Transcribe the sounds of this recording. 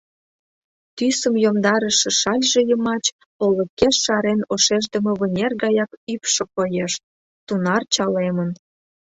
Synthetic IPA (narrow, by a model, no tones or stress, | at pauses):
t̪ysəmjomd̪ɑɾəʃə̆ʃɑlʲʒejəmɑt͡ɕ | oləkeʃːɑɾenoʃeʒd̪ə̆mə̆βə̆nʲerɡɑjɑkypʃɤ̆kojeʃ | t̪unɑrt͡ɕɑlemən